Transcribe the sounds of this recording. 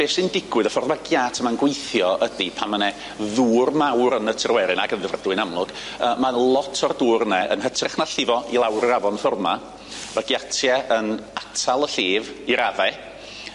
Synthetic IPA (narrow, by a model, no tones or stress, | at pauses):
b̥eːsɪndɪɡwɨðəfɔrðmaɡjatʰəmanɡwejθjɔʔədipʰanmənɛ | ðuːrmawɾənətʰɪrwɛɾɪnaɡənðɪvrədwɨnamlˠʊɡ̥əːmanlˠɔtʰɔrduːrnɛə̰nɦətʰrɪχnaɬɪvɔʔilˠawrəavɔnfɔrma | vaɡjatʰjɛʔənatʰalˠəɬeːviɾavɛ